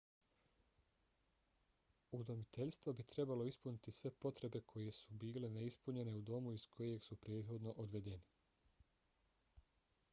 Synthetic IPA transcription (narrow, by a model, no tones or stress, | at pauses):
ud̪o̞mit̪e̞ʎʲst̪ʋobit̪ɾe̞balo̞ispunit̪isʋe̞po̞t̪ɾe̞be̞kʰo̞je̞subiːle̞neispuɲe̞ne̞ud̪o̞muiskʰo̞je̞ɡsupɾe̞ːd̪xo̞d̪no̞ʔod̪ʋe̞d̪e̞ni